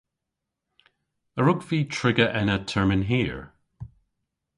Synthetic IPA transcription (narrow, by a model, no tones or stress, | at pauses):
əɹʊkv̥iːtʰɹ̥ɪɡəʔɪ̃nətʰɛɹmɪ̃nɦiɹ